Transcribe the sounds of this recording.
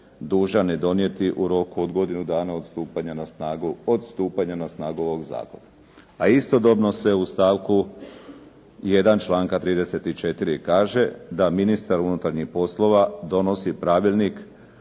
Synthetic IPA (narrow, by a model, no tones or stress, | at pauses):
d̪uːʒane̞d̪o̞nije̞t̪iʔuɾo̞kuod̪ɡo̞d̪inud̪aːnaod̪st̪uːpaɲanasaɡuod̪st̪uːpaɲanasnaːɡuo̞ʋo̞ɡza̰ːkona | aist̪o̞d̪o̞bno̞se̞ust̪aːʋku | je̞d̪ant͡ʃlˠaːŋkat̪ɾiːd̪e̞se̞t̪it͡ʃe̞t̪iɾikaːʒe̞d̪aminist̪aɾunut̪aɾɲixpo̞slo̞ʋad̪o̞no̞sipɾaʋilʲnik